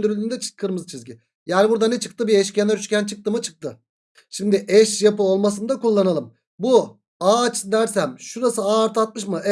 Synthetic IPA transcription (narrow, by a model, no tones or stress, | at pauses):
d̪yɾylʲd̪ynd̪ɛt͡ʃkʰɯɾmɯzt͡ʃʰizɟʲi | jæːnʲibuɾd̪anɛt͡ʃʰɯ̥k̚t̪ʰɯbiɛʃcʰenɛɾyt͡ʃcʲænt͡ʃʰɯk̚t̪ʰɯmɯt͡ʃʰɯ̥k̚t̪ʰɯ | ʃimd̪ɪʔɛʃjapɯo̞lˠmasɯnd̪akulˠːanalˠɯm | bu | aːt͡ʃ̪ʰd̪æɾsæmʃuɾasɯaːɾt̪ʰat̪̚mɯʃmɯʔɛ